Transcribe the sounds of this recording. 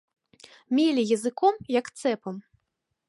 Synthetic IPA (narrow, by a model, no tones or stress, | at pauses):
mʲelʲijɐzɨkɔmjɐkt̪sɛpɐm